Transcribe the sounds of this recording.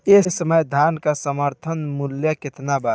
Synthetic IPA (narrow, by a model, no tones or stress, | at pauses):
esəməjd̪ʱankasəməɾt̪ʰənmuljəket̪naba